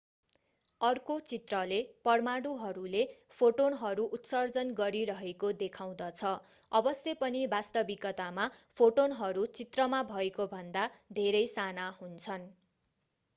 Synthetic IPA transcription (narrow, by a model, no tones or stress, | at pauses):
ʌrkot͡sit̪rʌlepʌrmaɽuɦʌɾulepʰoʈonɦʌɾuʔut̪sʌrd͡zʌnɡʌɾiɾʌɦekod̪ekʰaw̃d̪ʌt͡sʰʌ | ʌbʌsjʌpʌnibast̪ʌbikʌt̪amapʰoʈonɦʌɾut͡sit̪rʌmabʱʌekobʱʌnd̪ad̪ʱeɾʌjsanahunt͡sʰʌn